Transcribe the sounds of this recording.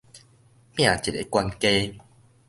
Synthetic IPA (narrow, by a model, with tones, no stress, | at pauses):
mj̃ã˨t͡ɕi˨t̚e˨˧kwa˧nke˦